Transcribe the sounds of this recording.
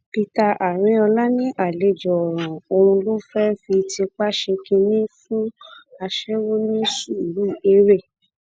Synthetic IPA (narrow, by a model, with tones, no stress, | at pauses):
pi˧ta˧ʔa˨ɾ̃ĩ˨˦ɔ˧la˦nĩ˦ʔa˦˨le˨˦d͡ʒɔ˨ɔ˨ɾ̃ã˨o˧ɾ̃ũ˧lo˦fɛ˦fi˧ti˧k͡pa˦ʃe˧kĩ˧nĩ˦fũ˦a˧ʃɛ˦wo˦nĩ˦su˦˨ɾu˦˨e˦ɾe˦˨